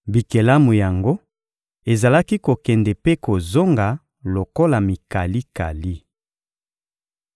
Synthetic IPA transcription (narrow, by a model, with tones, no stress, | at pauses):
bi˨ke˨la˦mu˨ja˨ŋɡo˦ | e˨za˨la˦ki˦ko˨kɛ˨ndɛ˨pe˦ko˨zo˦ŋɡa˨ | lo˨ko˦la˨mi˨ka˨li˦ka̰˨li˦